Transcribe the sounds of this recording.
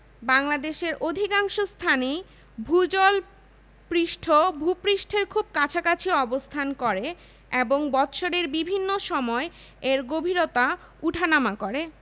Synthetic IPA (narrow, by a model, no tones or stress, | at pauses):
baŋlad̪eʃeɾʔod̪ʱikaŋʃost̪ʰani | bʱud͡ʑɔl | pɾiʃʈʰobʱupɾiʃʈʰeɾkʰub̚kat͡ɕʰakat͡ɕʰiɔbost̪ʰankɔɾe | eboŋbɔt̪ʃoɾeɾbibʱinːoʃɔmɔe | eɾɡobʱiɾot̪a | uʈʰanamakoɾe